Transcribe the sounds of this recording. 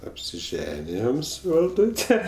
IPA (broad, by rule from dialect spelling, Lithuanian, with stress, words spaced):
ɐpʲsʲɪˈʒʲæːnʲɪjoːm sʊ ʋɐlˠˈduːtʲɛ